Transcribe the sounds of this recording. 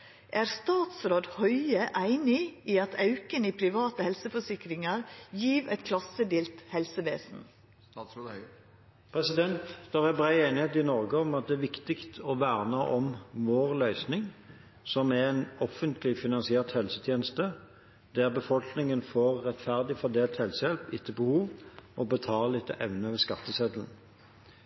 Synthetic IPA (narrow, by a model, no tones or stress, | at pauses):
ʔæːɾst̪ɑːt̪sɾoːd̪hœʏəʔæɪnɪiːɑt̪ʰɑʉkəniːpʰɾɪʋɑːt̪əhɛlsəfɔʂɪkɾɪŋɑɾjiːʋɛt̪̚kʰlɑsəd̪iːlt̪hɛlsəʋeːsn̩ | pʰʁɛsɪd̪ɛnt̪sd̪̥oːʁæbʁæɪeːnɪheːt̪ɪnɔʁɡəɔmɑt̪̚d̪ɛːʋɪkt̪ɪkt̪ʰɔʋæːʁnəʔɔmʋoːʁlœʏsnɪŋ | sɔmæɛnɔfənt̪lɪfɪnɑnsɪɛːʁt̪hɛlsət̪ʰjeːnəst̪ə | d̪æʁbəfɔlknɪŋənfɔʁːɛt̪fæʁd̪ɪfɔd̪eːlt̪hɛlsəjɛlpɪt̪ʰːəbəhuːʋmɔbət̪ʰɑːllɪt̪ʰːəʔɛʋnəʋɛskɑt̪ːəsɛd̪ln̩